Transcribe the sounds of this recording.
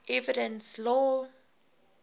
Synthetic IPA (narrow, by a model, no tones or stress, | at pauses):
ʔɛvidə̃nslɔ